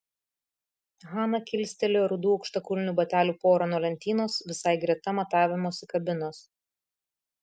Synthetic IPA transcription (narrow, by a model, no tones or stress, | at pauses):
ɣɑːnɐkʲɪlʲsʲt̪ʲɛlʲoɾʊd̪uːɐʊkʃt̪ɐkʊlʲɪnʲubɐt̪ʲæːlʲuːpoːɾɐnuɔlʲɛnʲt̪ʲiːnoːsʋʲɪsɑɪɡɾʲɛt̪ɐmɐt̪ɑːʋʲɪmoːsɪkɐbʲɪnoːs